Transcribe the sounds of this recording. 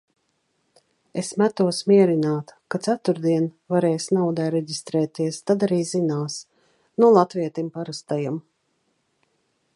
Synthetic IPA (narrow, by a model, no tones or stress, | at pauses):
esmæt̪uɔsmiɛɾinaːt̪kat̪sat̪uɾd̪iɛnvaɾɛːjsnawd̪ɛːɾɛɟist̪ɾɛːt̪iɛst̪ad̪aɾiːzinaːs | nulˠat̪viɛt̪impaɾast̪ajam